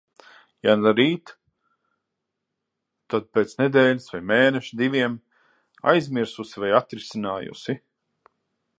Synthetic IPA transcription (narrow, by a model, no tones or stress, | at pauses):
janaɾiːt̪ | ad̪̚peːt̪sned̪eːlʲisvajmeːnɛʃid̪ivʲiɛm | a̰jzʲmiɾsusivajat̪ɾisinaːjṵsi